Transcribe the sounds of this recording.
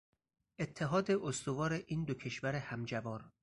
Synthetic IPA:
ʔe̞t̪ʰːe̞ɦɒːd̪e̞ʔost̪ovɒːɾeʔiːnd̪okʰe̞ʃvæɾehæmd͡ʒæbɒːɾ

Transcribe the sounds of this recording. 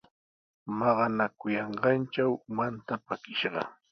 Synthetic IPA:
mɑɢɑnakʊjɑɴɢɑnt͡ʃawmant̪apakɪʃɢɑ̰

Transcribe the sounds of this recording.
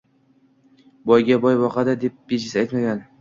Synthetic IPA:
bɒjɡʲabɒjbɒqɑd̪ad̪e̞p̚b̥eʃɪsajt̪maɡʲan

